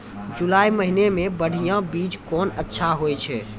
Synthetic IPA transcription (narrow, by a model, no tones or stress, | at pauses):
d͡ʒulajməɦinemẽbəɽ̤ʱijãbid͡ʒkɔnətːʃʰaɦojt͡ʃʰɛ